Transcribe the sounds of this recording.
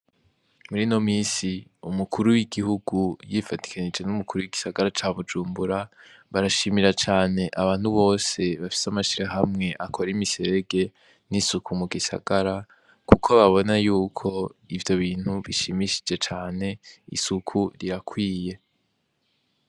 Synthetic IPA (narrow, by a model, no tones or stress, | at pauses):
muɾino̞miːsiumukʰuɾuwiɡiɦuɡujifati̥kʰaɲid͡ʒe̞numukʰuɾuwiɡisaɡaɾat͡ʃaːβud͡ʒuːmbuɾaβaɾaʃimiɾat͡ʃaːne̞ʔaβaːn̥huβo̞ːse̞βafi̥samaʃiɾaɦamŋe̞ʔakʰo̞ɾimise̞ɾeɡe̞ | nisukʰumuɡisa̰ɡaɾa | kukʰo̞βaβo̞najuːkʰo̞ivjo̞βiːn̥huβiʃimiʃi̥d͡ʒe̞t͡ʃaːne̞ḭsukʰuɾiɾakʰwiːje̞